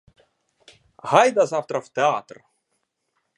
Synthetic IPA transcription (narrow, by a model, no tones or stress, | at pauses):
hajd̪azaft̪ɾaft̪eat̪r